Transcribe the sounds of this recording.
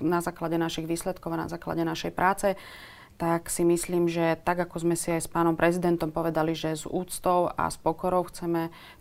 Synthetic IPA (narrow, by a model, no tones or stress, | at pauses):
nazaːklaɟɛnaʃiɣʋiːslɛt̪kɔʊana̰zaːkla̰ɟɛnaʃɛjpɾʔaːt͡sɛ | t̪aksimisliːmʒɛt̪aɡakɔzmɛsiajspaːnɔmpɾʔɛzid̪ɛnt̪ɔmpɔʋɛd̪aliʒɛzṵːt͡st̪ɔʊa̰spɔkɔɾɔʊxt͡sɛmɛ